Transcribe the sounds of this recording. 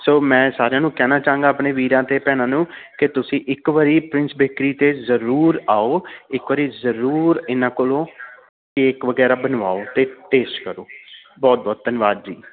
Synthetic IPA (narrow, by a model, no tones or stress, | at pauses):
soːmɛ̃ːsaːɾejãːnũːkɛːnaːt͡ʃaːũŋɡaːpɳeːʋiːɾãːt̪eːpɛːnãːnũːkɪt̪ʊsĩːʔɪkʋəɾiːpɾɪ̃nsbeːkɾiːt̪eːzəɾuːɾaːoːɪkʋəɾiːzəɾuːɾɪnãːkoːlõː | keːkʋəɡɛːɾaːbənʋaːoːt̪eːʈeːsʈkəɾoː | bɔːt̪̚bɔːt̪̚t̪ənɪʋaːd̪d͡ʒḭː